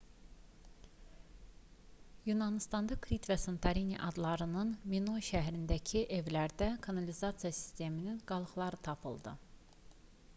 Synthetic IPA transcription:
junɑnist̪ɑnd̪ɑkʰɾit̪væsont̪ʰɑɾinḭʔɑd̪lˠɑɾɯnɯnminoʃæɦɾind̪æcʰiʔe̞vlæɾd̪ækʰɑnɑlizɑt̪sijɑsi̥st̪e̞mininɡ̥ɑlˠɯxlˠɑɾɯt̪ʰɑpʰɯ̰lˠd̪ɯ̰

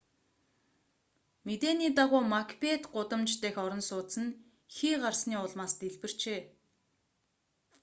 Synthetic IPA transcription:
met̪eːniːt̪̬aʁʊːmakpet̪ɢʊt̪ə̆mt͡ɕt̪eːxɔɾɞ̆nsʊːt̪sə̆n | xiːɢarsniːʊɮmaːst̪eɮpɘ̆r̥t͡ɕeː

